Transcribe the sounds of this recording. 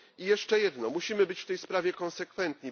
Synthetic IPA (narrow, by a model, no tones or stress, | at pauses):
ijɛʂt͡ʂɛjɛd̪nɔmuɕimɘbɘt͡ɕft̪ɛjspɾavʲjɛkɔnsɛkfɛnt̪ɲi